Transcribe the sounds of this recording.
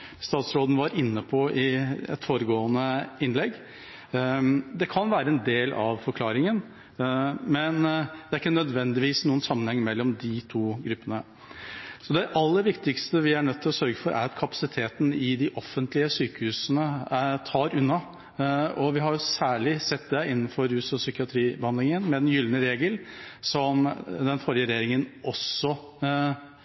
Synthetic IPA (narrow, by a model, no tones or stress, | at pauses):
st̪ɑːt̪sɾoːd̪n̩ʋɑɾɪnːəpʰɔʔɪɛ̰t̪foːɾəɡoːənəɪnlɛɡ | d̪ɛkʰɑnʋæːɾəɛnd̪eːlɑʋfɔɾkʰlɑːɾɪŋən | mɛnd̪ɛæɾɪkːənœd̪ʋɛnd̪ɪʋiːsnuːənsɑmːənhɛŋːmɛlːɔmd̪ɪt̪ʰuːɡɾʉpːənə | sɔd̪ɛʔɑlːəʋɪkt̪ɪkst̪əʋɪæɳœt̪ʰːɪlɔsœɾɡəfɔɾʔæ̰ɾɑt̪kʰɑpɑ̥sɪt̪ʰeːt̪n̩ɪd̪ɪʔɔfːənt̪lɪəsyːkəhʉːsənət̪ʰɑːɾʉnːɑ | ɔʋɪɦɑɾjʊsæːɭɪsɛt̪ːd̪ɛɪnːnfɔɾʉːsɔsʏkɪɑt̪ʰɾiːbəhɑnd̪lɪŋənmɛd̪ɛnjʏlnəɾeːɡəlsɔmd̪ɛnfɔɾjəɾɛjeːɾɪŋənɔsːɔ